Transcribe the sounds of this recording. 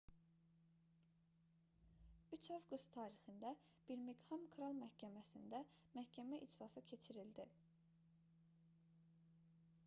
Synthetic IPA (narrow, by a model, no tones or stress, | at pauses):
yt͡ʃʰofɡust̪ʰɑːɾixind̪æ | b̥iɾmiɡhɑmkʰɾɑlˠmæhcʰæmæsind̪æmæhcʰæmæʔid͡ʒsɑsɯcʰe̞t͡ʃʰiɾild̪i